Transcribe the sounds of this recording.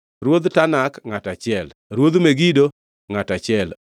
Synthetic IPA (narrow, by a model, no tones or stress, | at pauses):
ɾwod̪tanakŋatat͡ʃɪɛl | ɾwod̪meɡido | ŋatat͡ʃɪɛl